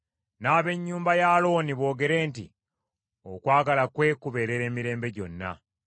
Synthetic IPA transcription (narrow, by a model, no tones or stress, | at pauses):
naːβe̞ɲːuːmbajaːlo̞ːniβo̞ːɡe̞ɾe̞ːntḭ | okwaːɡalakwe̞ːkuβe̞ɾe̞ɾe̞ːmiɾe̞ːmbe̞ɟo̞̰nːa̰